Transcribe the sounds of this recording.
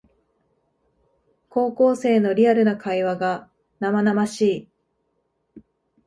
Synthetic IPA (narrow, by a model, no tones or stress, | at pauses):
ko̞ːko̞ːse̞ːno̞ɾʲiaɾɯ̟nakʰaiβaɡa | namanamaɕiː